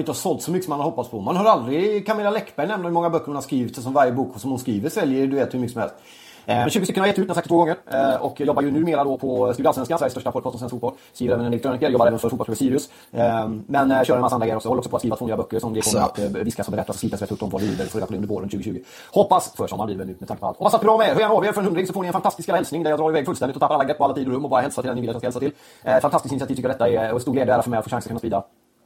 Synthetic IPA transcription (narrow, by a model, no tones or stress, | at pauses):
ɪnt̪əhaʂsɔlt̪sɔmʏkːəsɔmanaɾhɔpːatspʰɔmanɦaɾald̪ɾɪkʰamɪlːalɛkːbæɾjnɛmnahʉmɔŋːabœkːəɾhʊnhaɾskɾiːvɪt̪sɔmvaɾjəbuːksɔmhʊnskɾiːvəɾʂɛljəɾɖɵveːt̪hɵmʏkːəsɔmɛ̰lst̪ | ɛnɕʉːɡst̪ʏkːnhajɛt̪ːʉːt̪jasakt̪voːɡɔŋːəɾʔɔkːjɔbːajɵnʉ̟ːmeːɾad̪ɔpʰɔskɾiːvd̪alfɛnskansvæɾst̪œʂʈapʰɔd̪kʰɑsɔmsɛnskfuːbɔl | skɾiːəɾɛːvnɛnɛɛkt̪ɾoːnɪkːəjɔbaɾɛːvənfœɾfuːtpɔsʰpʰɑːsyːɾɪɵs | mɛnɕœɾɛnmasːanɾɡjəɔksjhɔːɾɔksɔpʰɔt̪skɾiːvat̪vːyːabœkːəʂɔmd̪ɛkʰɔməɾa̰t̪vɪskashɔbɛɾɛt̪ːasɔsliːt̪asvɛt̪ːɵpːd̪ɔmvɑ̰d̪lḭːvə̰ɾfoɾeːd̪aɔɵndəbo̰ːɾɵnəʃʉːɡəɕʉːɡə | hɔpːasfœʂɔ̰mːanb̪iːvənʉːmɛt̪ʰaŋkəpɔa̰t̪ʰhɔpːasat̪bɾɑːmɛeːɾhœɾjæːɳnaɑːveːɾfœɾɛnɵnɾɪŋsɔfoːnɪɛnfant̪ast̪ɪskɛlːaɛlsnɪŋd̪æɾjɑd̪ɾɑːɾɪvɛːɡfɵlst̪ɛnɪt̪ɔt̪ʰapːɾalːɡɛt̪ːpɔalːat̪iːd̪ʊɾɵmːɔbɑːɾahɛlsat̪ʰɪlɛnɪvɪːt̪jɑskahɛlsaɪl | ɛt̪fant̪ast̪ɪskɪnɪsɪat̪ʰiːvt̪ʰʏkːəɖɛt̪ːaɛɛt̪st̪uːleːd̪æːɾafœɾmɛɪat̪foːɕaŋsɾkʰɵnːspḭːd̪a̰